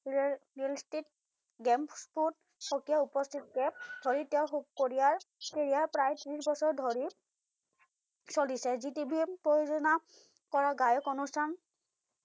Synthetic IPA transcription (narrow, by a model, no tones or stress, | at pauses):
ɹilstit̚ | ɡɛmpsput̚ | xɔkijaupɔstʰit̚kɛdʱoɹitɛʊxuk̚koɹijaɹkeɹijaɹpɹajtɹisbɔsɔɹdʱoɹi | solisɛzitibʱipɹojozɔna | kɔɹaɡajɔkonustʰan